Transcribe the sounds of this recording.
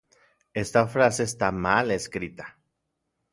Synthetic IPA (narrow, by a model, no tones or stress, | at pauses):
est̪afɾaseːst̪amaleskɾit̪ḁ